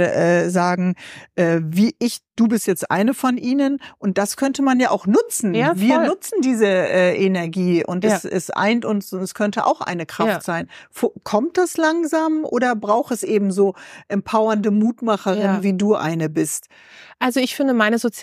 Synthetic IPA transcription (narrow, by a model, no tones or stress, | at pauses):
ʔɛːzaːɡŋ̩ʔɛːviːʔɪçd̥uːbɪstjɛt͡stʔa̰ɪnəfɔnʔiːnənʔʊnt̚d̥askʰœntəmanjaːʔaʊxnʊt͡sn̩jviːɐnnʊt͡sn̩diːzəʔɛːʔenɛɐɡiːʔʊ̰ntɛsɛ̰sʔa̰ɪntʊnsʊnɛskʰœntəʔa̰ʊxʔa̰ɪnəkʁ̥aftz̥aɪnfokʰɔmt̚d̥aslaŋzaːmʔo̰ːdɐbʁaʊxɛsʔeːbm̩zoːʔɛmpʰaʊɐndəmuːtmaχəʁɪnviːduːʔa̰ɪnəbɪst | ʔalzoɪçfɪndəmaɪnəzot͡s